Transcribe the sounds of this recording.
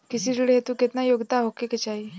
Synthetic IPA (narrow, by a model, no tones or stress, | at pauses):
kɪsiɾuɽet̪uket̪najoɡd̪aɦokeket͡ʃai